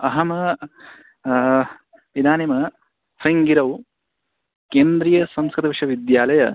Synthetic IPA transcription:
ɐɦɐm | id̪aːnimɐ | sɐjŋɡiɾɐw | keːnd̪ɾijɐsɐmskɾɪt̪ɐʋɐʂɐʋid̪jaːlɐjɐ

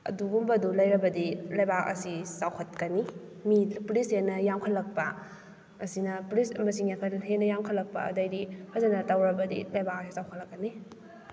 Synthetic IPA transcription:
ɐ̰duɡumbɐdulɐjɾɐbɐdilɐjbakɐ̰sisawkʰɐt̚kɐni | miplishenːɐjamkʰɐlːɐk̚pɐː | sinɐplismɐsiŋjapʰɐlɦenɐjamkʰɐlɐk̚pɐ̰ɐ̰dɐjdipʰɐzɐnɐtawɾɐbɐdḭlɐjbak̚ɐsisawkʰɐlɐkːɐni

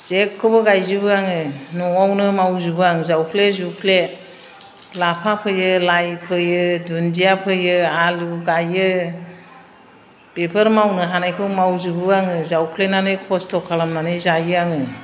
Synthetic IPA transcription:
zekʰːɯbɯɡajzubɯaŋɯnɔŋɔwnɯmawzubɯaŋɯzawkʰlezukʰle | lapʰapʰɯjɯlajpʰɯjɯdundijapʰɯjɯaluɡajɯ | bepʰɯɾmawnɯɦanajkʰɯbmawzubɯaŋɯzawkʰlenanɯjkʰɔstʰɔkʰːalamnanɯjzajɯaŋɯ

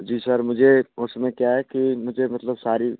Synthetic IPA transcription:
d͡ʒiːsəɾmʊd͡ʒʱeʊsmẽkjaɦɛkimʊd͡ʒʱemət̪ləbsaːɾi

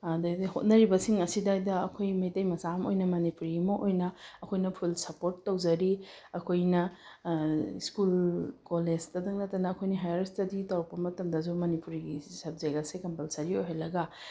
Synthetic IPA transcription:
dahot̚nɐɾibɐsiŋɐsidajdɐɐkʰojmɐjtɐjmɐsamo̰jnɐmɐnipuɾimɐʔojnɐɐkʰojnɐpʰulsɐpoɾtːɐwd͡ʒɐɾi | ɐkʰojnɐ | skulkolezdɐdɐŋlɐtːɐnɐːkʰojniɦajaɾstɐditɐwɾɐk̚pɐmɐtɐmdɐzumɐnipuɾiɡisɐb̚zeɡɐsekɐmpɐlsɐɾiojɦelːɐɡɐ

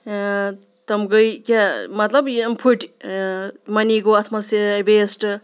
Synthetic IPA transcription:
t̪ɐmɡəjkamɐt̪lɐbmpʰuʈi | mɐniɡoɐt̪ʰmɐsbesʈ

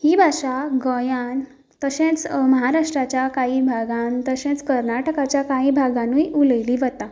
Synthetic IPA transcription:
hibʱaɕaɡəjan | t̪əɕẽt͡sməɦaɾaʂʈɾat͡ɕjakaibʱaɡãnt̪əɕɛ̃t͡skəɾnaʈəkat͡ɕjakaibʱaɡãnujʔuləjliːʋət̪a

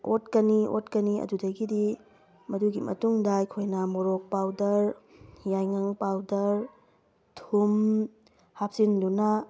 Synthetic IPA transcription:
ʔotkɐniʔo̰tkɐniɐ̰dudɐɡidi | mɐduɡimɐ̰tuŋdajkʰojnɐmoɾok̚pawdɐɾjajŋɐŋpawdɐɾ | tʰum | hap̚sindunɐ

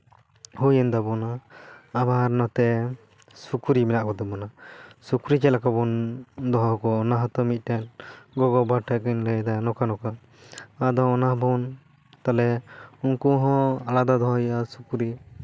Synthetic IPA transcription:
hujɛnd̪abɔnaː | baɾnɔt̪ɛ | sukuɾimɛnaʔkɔd̪ɛbɔnasukuɾit͡ʃɛlakabɔnd̪ɔɦɔkɔːnaɦɔt̪ɔmit̪̚ˀtɛnɡɔɡɔbaʈʰakɛnləjd̪anɔkanɔkaː | d̪ɔɔnaɦbʱɔn | t̪alɛunkuɦɔ̃alad̪ad̪ɔɦɔjasukuɾi

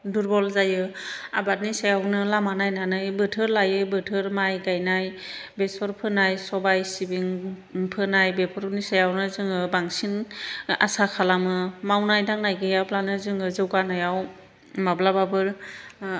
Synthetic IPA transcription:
duɾbɔlzajɯ | abat̚nisajawnɯlamanajnanɯjbɯtʰɯɾlajɯbɯtʰɯɾmajɡajnaj | besɔɾpʰɯnajsɔbajsibiŋ | pʰɯnajbepʰɔɾnisajawnɯzɯŋɯbaŋsina̰sakʰalamɯmawnajdaŋnajɡɯjaplanɯzɯŋɯzɯwɡanɯjaw | mablababɯɾ

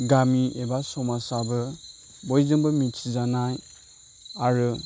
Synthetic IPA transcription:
ɡamiʔebasɔmasabɯ | bɔjzɯŋbɯmit͡ʃʰizanaj | aɾɯ

